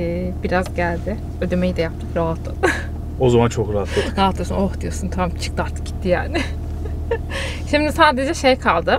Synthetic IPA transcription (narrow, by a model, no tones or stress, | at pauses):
biɾazɟælʲd̪ɪ | ø̞d̪ømejid̪ɛjap̚t̪ʰɯkɾaɦat̪ʰlˠa̰d̪ | o̞zamant͡ʃʰo̞kɾaɦat̪ʰlˠɯd̪ɾaɦat̪lˠɯjosunoxd̪ijoɾsunt̪ʰamt͡ʃʰɯ̥k̚lˠaɾt̪ʰːɯ̥ɟi̥t̪ʰːija̰ːnɪ | ʃimnd̪ɛsaːd̪e̞d͡ʒɛʃejkʰalˠd̪ɯ